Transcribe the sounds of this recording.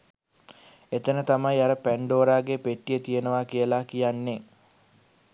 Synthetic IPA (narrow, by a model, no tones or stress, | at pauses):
et̪ənət̪amajaɾəpæɳɖoːɾaːɡepeʈːijət̪ijənəʋaːkijəlaːkijanːe